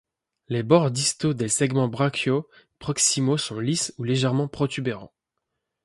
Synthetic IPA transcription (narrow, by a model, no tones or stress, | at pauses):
lebɔʁd̪ist̪od̪esɛɡmɑ̃bʁakʰjo | pχɔksimosɔ̃lisuleʒɛʁmɑ̃pχɔt̪ybeʁɑ̰̃